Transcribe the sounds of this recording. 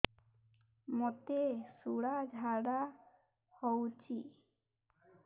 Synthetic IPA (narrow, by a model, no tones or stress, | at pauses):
mot̪esuɽad͡ʒʱaɽa | howt͡ʃʰi